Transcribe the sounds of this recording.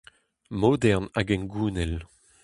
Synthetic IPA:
moːd̪ɛʁnaɡɛnɡuːnɛl

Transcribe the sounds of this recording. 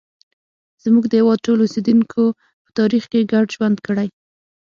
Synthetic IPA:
z̥muɡd̪əjawɑd̪̚ʈolosed̪uŋkʰo | pə̥t̪ɑɾixkeɡaɖʒwand̪kəɽaj

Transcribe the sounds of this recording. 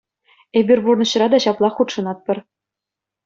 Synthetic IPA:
ebʲɘ̆rʲburnɤ̆ɕɤ̆rɑd̪ɑɕɑplˠɑχut̪ʂɤ̆nɑt̪̚pʲɤ̆r

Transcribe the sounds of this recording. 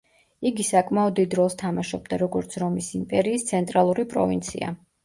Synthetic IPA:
iɡisakʼmaɔd̪id̪ɾɔlˠst̪ʰamaʃɔb̚d̪aɾɔɡɔɾt̪sʰɾɔmisimpʼɛɾiːst̪sʰɛnt̪ʼɾalˠuɾipʼɾɔ̰vint̪sʰḭa̰

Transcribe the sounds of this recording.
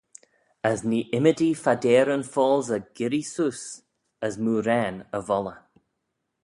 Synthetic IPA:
əzniːʔɪmədifadɛːɾənfɔːlˠzəɡ̥ɪɾisuːs | əzmuːɾɛːnəvɔlə

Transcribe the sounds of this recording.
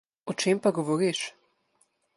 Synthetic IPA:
ɔt͡ʃempaɡɔʋɔɾiʃ

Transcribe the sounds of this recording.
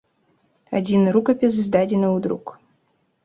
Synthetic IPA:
ɐ̰dʲinɾukɐpʲɪs̬ɨzd̪adʲɪnɨʊd̪ɾuk

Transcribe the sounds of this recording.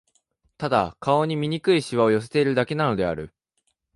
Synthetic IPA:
t̪ad̪a̰kʰao̞ɲ̟imʲiɲ̟ikɯ̟iɕiβao̞jo̞s̬et̪e̞iɾɯ̟d̪ake̞nano̞d̪e̞a̰ɾɯ̟̰

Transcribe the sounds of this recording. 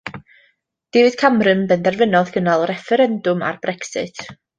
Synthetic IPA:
d̥ɪvɨd̥kʰamrɨnbɛndɛrvɪnɔðɡ̥ənalˠrɛfɛɾɛndʊma̰rb̥rɛksɪ̰tʰ

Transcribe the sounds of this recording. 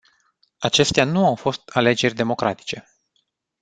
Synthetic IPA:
at͡ʃe̞st̪eanuawfo̞st̪ʰale̞d͡ʒe̞rʲd̪e̞mo̞kɾʔat̪i̥t͡ʃe̞

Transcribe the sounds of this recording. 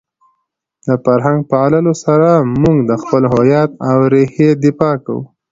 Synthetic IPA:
d̪əfaɾɦaŋɡ̚pəaləlosaɾamuŋɡd̪əxpəlɦajɑt̪awɾehed̪ɪfɑka̰wṵ

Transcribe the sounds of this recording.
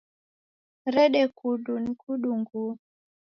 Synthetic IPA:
ɾɛɗɛkuɗunikuɗuŋɡu

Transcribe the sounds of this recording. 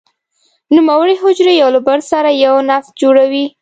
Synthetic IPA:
numawəɽiɦʊd͡ʒɾejawlʊbaɽsaɾajawnaft̪d͡ʒoɽawi

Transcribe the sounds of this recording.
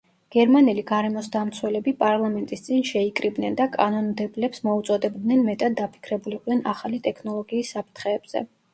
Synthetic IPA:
ɡ̥ɛɾmanɛliɡaɾɛmɔsd̪amt̪sʰwɛlɛbipʼaɾlˠamɛnt̪ʼist̪sʼinʃɛikʼɾibnɛnd̪akʼanɔnmd̪ɛblɛpsmɔut̪sʼɔd̪ɛbd̪nɛnmɛt̪ʼad̪ːapʰi̥kʰɾɛbuliqʼd̪ɛnaχalit̪ʼɛkʰnɔlˠɔɡiːsːapʰt̪ʰχɛːbz̥ɛ̰

